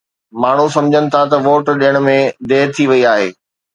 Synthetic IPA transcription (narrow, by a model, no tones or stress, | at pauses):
maːɳ̤usɐ̃md͡ʑʱənɪ̆t̪ʰat̪ɐʋoːʈɗijəɽ̃ʊ̆mẽd̪eːt̪ʰiʋɐiaːɦḛː